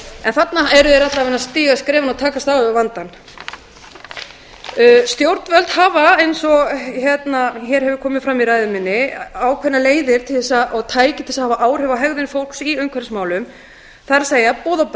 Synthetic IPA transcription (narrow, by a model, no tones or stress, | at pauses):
ɛnθat̪naɛɾʏðɛɾat̪lavɛnːast̪iːɣaskɾɛːvanawt̪ʰaːkast̪aːɣʏvant̪an | st̪jowɾt̪nvœlt̪haːvaejnsɔɣçjɛt̪naçɛɾhɛvʏ̥kʰɔːmɪðfɾamiɾaːjðʏmɪnːɪaːwkʰvɛnːaleːjðɪɾ̥t̪ʰɪlθɛsːaaɣt̪ʰaːjcɪɪlsahavaʔaːwr̥ɛvaɦɛɣðɪnɪfowl̥ksiʏmkʰvɛɾsmaːwlʏm | θaɾaseːjapɔːðawp